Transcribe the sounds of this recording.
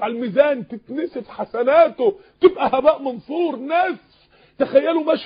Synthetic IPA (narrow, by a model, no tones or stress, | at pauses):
ʕalmiːzæːnt̪ɪt̪nɪsefħasænæːt̪o | t̪ɪbʔæhæbæːʔmɑnsˤuːɾˤnæːs | t̪æxæjːælʊmæʃ